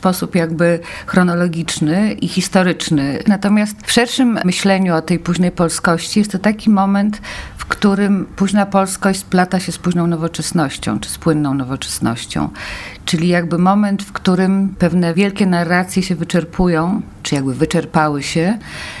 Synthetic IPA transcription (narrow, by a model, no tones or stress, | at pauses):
spɔsupjaɡbɘxɾɔnɔlɔɡʲit͡ʂnɘʔixʲist̪ɔɾɘt͡ʂnɘnat̪ɔmʲjast̪fʂɛɾʂɘmmɘɕlɛɲuɔt̪ɛjpuʑnɛjpɔlskɔɕt͡ɕijɛst̪ːɔt̪akʲimɔmɛnt̪fkt̪uɾɘmpuʑnapɔlskɔɕt͡ɕʲsplat̪aɕɛspuʑnɔ̃w̃nɔvɔt͡ʂɛsnɔɕt͡ɕɔ̰̃w̃t͡ʂɘ̥spwɘnːɔ̃w̃nɔvɔt͡ʂɛ̥snɔ̰ɕt͡ɕɔ̰̃w̃t͡ʂɘlʲijaɡbɘmɔmɛnt̪fkt̪uɾɘmpɛvnɛvʲjɛlkʲɛnarːat̪sʲjɛɕɛvɘt͡ʂɛɾpʰujɔ̃w̃ | t͡ʂɘjaɡ̚bɘvɘt͡ʂɛɾpawɘɕɛ